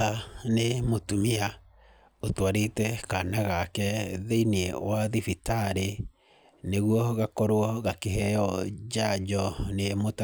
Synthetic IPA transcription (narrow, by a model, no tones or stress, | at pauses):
anemotumia | otwaɾetɛkanaɣakɛðeiniewaðifitaɾe | neɣwɔɣakɔɾwɔɣakeɦɛjɔd͡ʒad͡ʒɔnemota